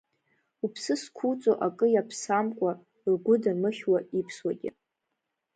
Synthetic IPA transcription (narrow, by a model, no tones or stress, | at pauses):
upʰsɨskʷʰut͡sʼoʔakʼɨjapʰsamkʷʼa | rɡʷʊdamɨχʲwaipʰswaɡʲɪ̰